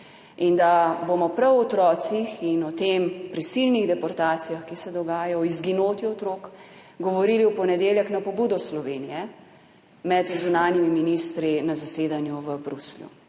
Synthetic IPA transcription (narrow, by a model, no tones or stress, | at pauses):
ind̪abomɔpɾɛwɔt̪ɾɔːt̪sixinɔt̪eːmpɾisilniɣd̪ɛpɔɾt̪aːt̪sijaxkisɛd̪ɔɡaːjaɔizɡinoːt̪jiɔt̪ɾoːkɡɔʋɔɾiliwpɔnɛd̪eːljɛknapɔbuːd̪ɔslɔʋeːnijɛ | mɛt̪zunaːnjimiminist̪ɾinazaseːd̪anjuʋəbɾusljṵ